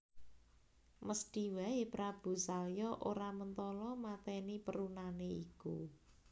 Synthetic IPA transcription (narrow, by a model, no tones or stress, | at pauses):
məsd̪̥iwɛepɾab̥ṳsaljɔʔoɾamənt̪ɔlɔmat̪ɛnipəɾunaneiku